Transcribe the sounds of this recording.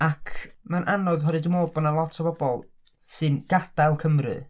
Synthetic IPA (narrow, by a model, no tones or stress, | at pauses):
akʰmanʔanɔɨðɦɔɾɨdumoːbɔnalˠɔtʰabɔbɔlˠ | sɨnɡ̥ad̥ajlˠkʰəmrɨ̰